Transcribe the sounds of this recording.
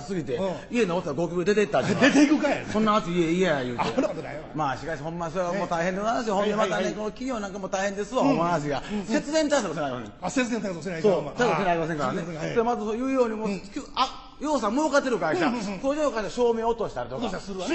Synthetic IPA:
sɨɡʲit̪e̞ie̞noot̪ːaɡo̞ːkʲokɯd̪e̞t̪̬eit̪ːaiet̪eikɯkasonːaat͡sieiajɯːte | maːɕi̥kaihõmːasoɾeɡamot̪aiɦẽnd̪emansioɦõnd̪emat̪aneko̞nokʲio̞ːnãŋkamot̪aihẽ̞nd̪esɨβaomnas̬iɡase̞t͡sɨzent̪aisakos̬enaɾimasẽseɨzẽnt̪asenasoːt̪aiss̬enaɾʲimas̬eŋkaɾaneoɾeamat̪asojɯːjo̞ːɲ̟imokʲːa | jo̞ːs̬ãmoakat̪ːeɾɯ̟kaiɕakoːʑõokaiɕaaɕo̞ːmeot̪oːɕi̥t̪eaɾit̪ok

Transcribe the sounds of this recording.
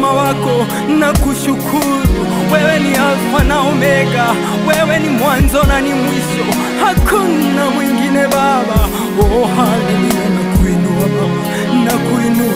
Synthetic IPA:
mawakɔ | nakuʃukʰuɾu | wɛwɛniawanaɔmɛka | wɛwɛnimwanzɔnanimwiʃɔ | hakʰunnamwiŋɡinɛβaβa | ɔɦamɛniwanakuinuwaaa | nakwinu

